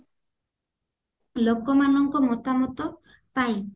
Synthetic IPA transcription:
lokɔmanɔŋkɔmɔt̪amɔt̪ɔ | paj̃

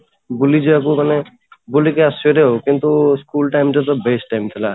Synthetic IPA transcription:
bulid͡ʒeak̬ukane | bulikeaseɾeɦokint̪uskulʈajmʈat̪ɔbesʈajmt̪ʰɛla

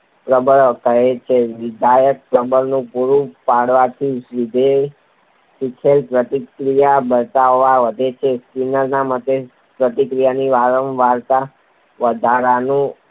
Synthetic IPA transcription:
pɾəbəɭkəɦet͡ʃʰeʋɪd̪ʱajək̚pɾəbəɭnũpuɾupaɽʋat̪ʰiʋɪd̪ʱe | sikʰelpɾət̪ikɾijabəɾt̪aoʋaʋəd̪ʱet͡ʃʰeskinəɾnamət̪e | pɾət̪ikɾijaniʋaɾəmʋaɾt̪a | ʋəd̪ʱaɾanũ

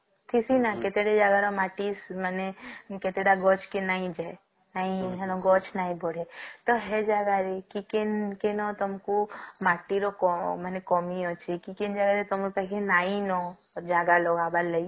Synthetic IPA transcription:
t̪ʰisinaket̪eɽed͡ʒaːɡaɾomaːʈismɛneket̪eɽaɡɔːt͡ʃʰkenaːĩd͡ʒa | naːĩɦɛnõɡɔːt͡ʃʰnaːĩboɽet̪oɦɛd͡ʒaːɡaɾekikenkenɔt̪ɐmkumaːʈiɾokɔmɛnekɔːmiot͡ʃʰikikɪnd͡ʒaɡaɾet̪ompɛkʰenaːinɔ | ɔd͡ʒaːɡaloɡaballːəi

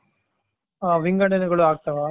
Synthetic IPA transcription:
aːʋɪŋɡɐɳɐnɯɣɐɭɯ̃aːk̚ʈɐʋaː

